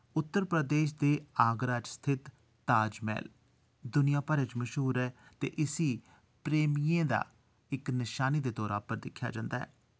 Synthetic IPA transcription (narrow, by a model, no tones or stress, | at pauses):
ʊt̪ːəɾpɾəd̪eːʃd̪eːaːɡɾaːd͡ʒst̪ʰɪt̪ː | aːd͡ʒmɛ̰ːl | d̪ʊnijãːpəɾɪt͡ʃməʃɦuːɾɛːt̪ḛːʔɪsiː | pɾeːmiẽːd̪a̰ː | ɪknɪʃaːniːd̪eːt̪ɔːɾaːpəɾd̪ɪkʰːja̰ːd͡ʒãːnd̪aːɦɛ̰ː